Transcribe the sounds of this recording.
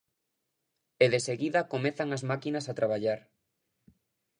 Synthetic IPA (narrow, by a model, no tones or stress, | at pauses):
eðeseɣiðɐkomeθaŋazmakinasat̪ɾaβ̞aʎaɾ